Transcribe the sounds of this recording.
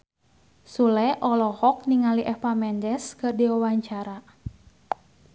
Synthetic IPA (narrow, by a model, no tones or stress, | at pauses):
sulɛʔɔlɔhɔk̚niŋaliʔɛfamɛndɛskɨrdiawaɲt͡ʃaɾa